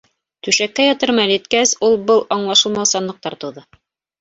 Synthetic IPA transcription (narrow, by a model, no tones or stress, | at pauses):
t̪ʉʃækːæjɒt̪ɤ̆ɾmɑlɘ̆t̪̚kæsulˠbɤlˠɑɴlˠɑʃɤ̆lˠmɑwˠsɑnlˠɤ̆q̚t̪ɑɾt̪uðɤ